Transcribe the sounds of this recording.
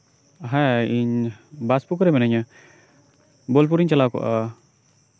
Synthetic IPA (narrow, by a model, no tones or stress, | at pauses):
ɦɛ̃iɲbaspukɾɛmɛnəɲa | bolp̬uɾiɲt͡ʃɐlakɔ̰ʔa